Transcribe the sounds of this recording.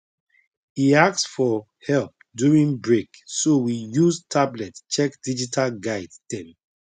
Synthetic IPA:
iak̚sfɔ | hɛlp̚ | djuɹĩnbɹeksowijuztʰablɛtt͡ʃɛkd̥id͡ʒitʰalɡaɪddɛ̃m

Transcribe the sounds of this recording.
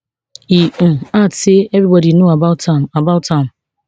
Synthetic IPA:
iateebɾibɔdinoabataabaʊtam̩

